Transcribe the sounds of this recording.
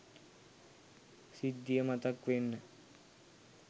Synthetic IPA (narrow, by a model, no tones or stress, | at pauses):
sid̪ːijəmɐt̪ɐkʋenːə